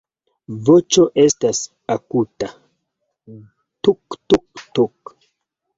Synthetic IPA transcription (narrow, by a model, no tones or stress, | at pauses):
vot͡ʃo̞ʔe̞stas | akuta | tuktuktuk